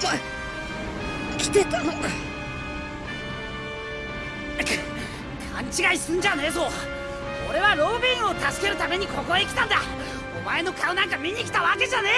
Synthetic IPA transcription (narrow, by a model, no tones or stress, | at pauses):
o | kʲi̥t̪et̪ano | kʰãɲt͡ɕiɡaisɨ̃ɲd͡ʑane̞ːs̬o | o̞ɾe̞βaɾo̞ːbʲĩɰ̃o̞t̪asɨ̥ke̞ɾɯ̟t̪ame̞ɲ̟iko̞ko̞ekʲi̥t̪ãnd̪a | omae̞no̞kʰaonãŋkamʲiɲ̟ʲikʲi̥t̪aβake̞ʑane̞